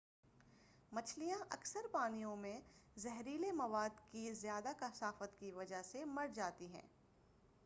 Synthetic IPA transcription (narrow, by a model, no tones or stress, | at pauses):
mɐt͡ʃʰlijãʔɐksəɾpaːnijõmẽzɛɦɾiːlemɐʋaːd̪kizjaːd̪akɐsaːfət̪kiʋɐd͡ʒaɦsemɐɽd͡ʒaːt̪iɦɛ̰̃ː